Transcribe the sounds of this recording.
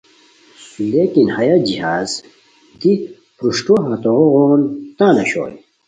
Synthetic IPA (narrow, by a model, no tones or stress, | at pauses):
suleːkinhɐjad͡ʑiɦaːz | d̪i | pɾuʂʈoɦɐt̪oʁoʁoːnt̪aːnɐɕo̰ːj